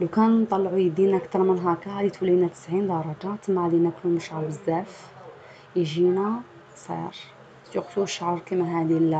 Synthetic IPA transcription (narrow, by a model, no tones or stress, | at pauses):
læwkænt̪ˤɑlːʕujəd̪inʔækt̪ɑɾˤmənɦækæʕd̪it̪wəlːinæt̪ə̥sʕind̪ɑɾˤɑd͡ʒat̪əmːaʕd̪inækluməʃʕɑɾbəzːæf | ʒinæ | sˤḭɾ | juqsuʃːʕɾˤkimæɦæd̪il